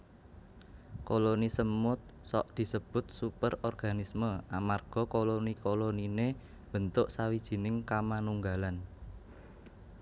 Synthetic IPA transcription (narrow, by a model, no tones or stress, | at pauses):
kolonisəmːʊt̪̚ | sɔ̰ʔd̪̥i̤səb̥ʊ̤t̪̚supərɔrɡ̥a̤nisməʔamarɡ̥ɔ̤kolonikolonine | b̥ə̤nt̪ʊʔsawid̥ʒ̥i̤nɪŋkamanuŋɡalan